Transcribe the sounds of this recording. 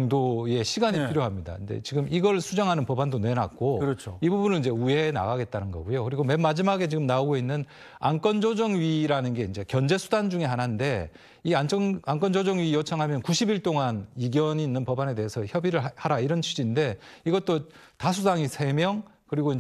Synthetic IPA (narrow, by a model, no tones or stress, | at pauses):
ŋdoje̞ɕʰiɡaɲipʰiɾjoɦamɲida̰inde̞̰t͡ɕiɡɯmiɡʌɭsʰud͡ʑaŋɦanɯnpʌbandone̞na̰k͈okɯʌt͡ɕʰoibubunɯɭind͡ʑe̞ue̞na̰ɡaɡe̞t̚t͈anɯnɡʌɡujokɯɾiɡome̞mːad͡ʑimaɡe̞t͡ɕiɡɯmnaoɡoinːɯn | a̰nk͈ʌnd͡ʑʌd͡ʑʌŋɥiɾanɯnɡe̞ind͡ʑe̞kjʌnd͡ʑe̞sʰu̥dand͡ʑuŋe̞ɦanande̞ | iant͡ɕʰʌŋank͈ʌnd͡ʑʌd͡ʑʌŋɥijʌt͡ɕʰaŋɦamjʌnkuɕʰibiɭt͈oŋaniɡjʌɲiːnːɯnpʌbane̞de̞ɦesʰʌçjʌbiɾɯɭhaɾaiɾʌnt͡ɕʰud͡ʑinde̞iɡʌt͈o | tasʰusaŋisʰe̞mjʌŋ | kɯɾiɡoi